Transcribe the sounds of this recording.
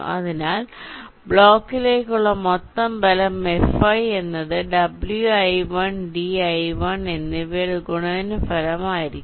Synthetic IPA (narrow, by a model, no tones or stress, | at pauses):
ɐ̰ðinaːlbɭo̞ːkːile̞ːkʲːuɭːɐmot̪ːɐmbɐlɐme̞fɐje̞nːɐðɨɖɐbljuɐjʋɐɳɖiɐjʋɐɳe̞nːiʋeɭuɡuɳɐðnɨfɐlɐmaːjiɾikː